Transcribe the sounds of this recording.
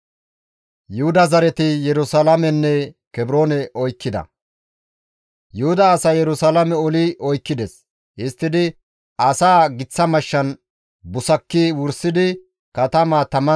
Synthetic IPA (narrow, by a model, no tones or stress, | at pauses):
jʊhʊd̪ɐzɐɾɛt̪ɪjɛɾʊsɐlɐmɛnːɛ | kɛbɾoːnɛʔɔjkːɪd̪ɐ̰ | jʊhʊd̪ɐːsɐjɛɾʊsɐlɐmɛɔlɪʔɔjkːɪd̪ɛs | hɪst̪ːɪd̪ɪ | ɐsaːɡɪt͡sːɐmɐʃːɐn | bʊsɐkːiwʊɾsɪd̪ɪ | kɐt̪ɐmaːt̪ɐmɐ